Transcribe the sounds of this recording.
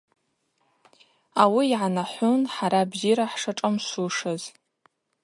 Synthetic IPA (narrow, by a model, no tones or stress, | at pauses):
awiːʕanaħʷʊnħaɾabziɾaħʂaʈ͡ʂʼamsuʂaz